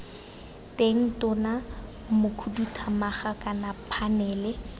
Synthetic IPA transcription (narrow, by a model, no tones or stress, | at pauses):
tʼeŋ̩tʼʊna | mʊkʰudutʰamaχakʼanapʰanɛːlɛ